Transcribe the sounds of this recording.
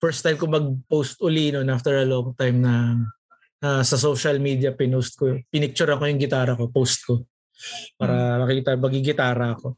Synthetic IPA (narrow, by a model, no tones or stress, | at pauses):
fɛɹst̪ajmkomɐɡ̚powst̪ʔʊlinonʔaft̪ɛɹɐloŋt̪ajmnɐ | nɐsɐsoːʃɐlmiːd̪iɐpɪnost̪̚kopɪnɪk̚t͡ʃʊɾɐŋkojʊŋɡɪt̪aːɾɐko̞powst̪̚ko | paːɾɐmɐkɪɡɪt̪aːmɐɡɪɡɪt̪aːɾɐɐko̞